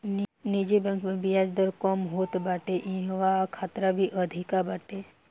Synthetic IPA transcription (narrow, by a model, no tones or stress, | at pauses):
nnid͡ʒibə̃ŋkmẽbijaːd͡ʒd̪əɾkɔmɦoːt̪baːʈeʔĩɦʋakʰaːt̪ɾabʱiʔəd̪ʱikabaːʈe